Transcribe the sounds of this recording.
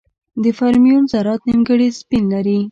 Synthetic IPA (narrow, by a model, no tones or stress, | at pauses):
d̪əfaɾmijunzaɾɑt̪nimɡəɽispinlaɾi